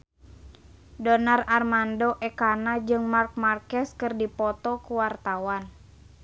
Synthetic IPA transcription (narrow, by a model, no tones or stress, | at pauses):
dɔnararmandɔʔɛkanad͡ʒɨŋmark̚markɛskɨrdipɔt̪ɔkuwart̪awan